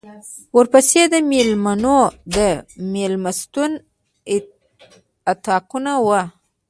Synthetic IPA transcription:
wəɾpəsed̪əmelmanod̪əmelmast̪un | at̪ɑkunawa

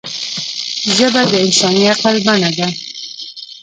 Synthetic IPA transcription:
ʒəbad̪əɪnsɑniaq̚albanad̪a

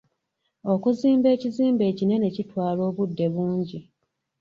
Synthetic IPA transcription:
o̞kuziːmbe̞ːciziːmbe̞ːcine̞ne̞citwaːlo̞ːβudːe̞βuːɲɟi

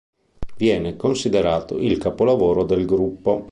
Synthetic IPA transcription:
vjɛːnekonsid̪eɾaːt̪oʔilkapolavoːɾod̪elɡɾupːo

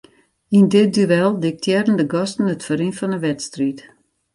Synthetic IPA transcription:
indɪt̚dyʋɛlˠdɪk̚tʰjɛdən̩dəɡɔstn̩ətfəɾinfɔnəʋɛtstrit

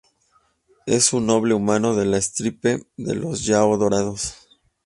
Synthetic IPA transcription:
e̞̰sunːo̞βle̞umãno̞ðe̞laest̪ɾipe̞ðe̞̰lʔo̞zʝaoðo̞ɾaðo̞s

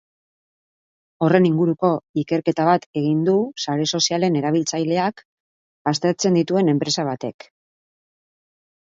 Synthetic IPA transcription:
o̞re̞niŋɡuɾuko̞ike̞ɾke̞t̪aβ̞at̪e̞ɣ̞ind̪usaɾe̞so̞siale̞ne̞ɾaβilt͡sajle̞ak | bast̪e̞ɾt͡se̞nd̪it̪ue̞ne̞mpɾe̞saβ̞at̪e̞k

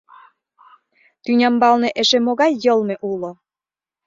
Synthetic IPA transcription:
t̪ynʲɑmbɑlneʔeʃemoɣɑjːɤlmeʔulo

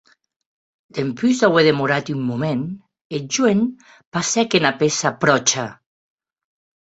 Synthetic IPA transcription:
d̪̥empyzd̪aweðemuɾat̪ymːumen | ed͡ʒwen | pasɛkenapesapɾɔt͡ʃa

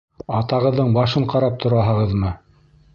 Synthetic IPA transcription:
ɑt̪ɑʁɤ̆ðːɤɴbɑʃɤɴqɑɾɑp̚t̪ʰŏɾɑɦɤ̆ʁɤðmɤ

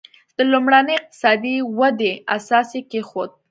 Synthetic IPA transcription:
d̪̥əlumɽanəjɪq̚t̪ɪ̥sɑd̪iwad̪easɑsekexod̪̚

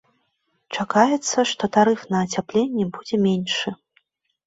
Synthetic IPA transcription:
t͡ʂakajɛt̪sːɐʂt̪ɔt̪aɾɨfnɐːt͡sʲaplʲenʲːɛbud͡zʲɛmʲenʲʂɨ

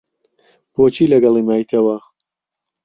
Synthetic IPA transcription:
boːt͡ʃiːlɐɡɐlˠimaːjt̪ʰɐwɐ

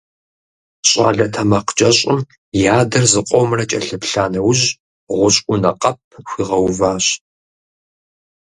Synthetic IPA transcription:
ɕʼa̰ːɮɐtʰɐmɐqd͡ʒʼɐɕʼɪm | jaːdɐrzɨqʷʼɔwmrɐt͡ʃʼɐɬɨpɬaːnɐwʑ | ʁʷʊɕʼʷʊnɐqʼɐp̚ʰxʷiːʁɐwvaːɕ

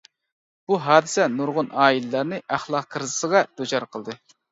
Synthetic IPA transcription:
b̥uɦɑːd̪ɨsɛnuɾʁʊnɑːillɑɾnɨʔæχlˠɑqqʰəɾzɨ̥səʁɑd̪ot͡ʃʰɑɾqʰəlˠd̪ɨ

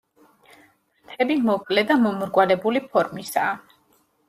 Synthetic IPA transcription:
t̪ʰɛbimɔkʼlɛd̪amɔmɾɡwalɛbulipʰɔɾmisaː

